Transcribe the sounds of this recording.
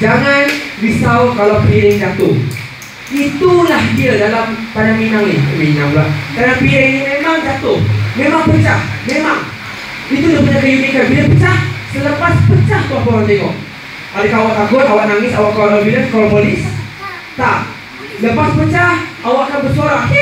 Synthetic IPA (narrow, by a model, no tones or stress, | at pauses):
d͡ʒaŋandisaukalawpiaiid͡ʒat̪uh | ʔit̪ulahdiadalampanaŋinaŋiuminamlahkanaŋpiainimemaŋd͡ʒat̪ʊhmemaŋpət͡ʃahmemaŋ | it̪udipət͡ʃakəjumikanbiapət͡ʃahsələpaspət͡ʃaht̪uahpoɾant̪eŋɔʔ̚ | ʔadəkawak̚aɡʊt̪awak̚naŋɪsawak̚kːawaʔlobilakalapolɪs | t̪a | ləpaspət͡ʃahʔawak̚kanbərsoɾa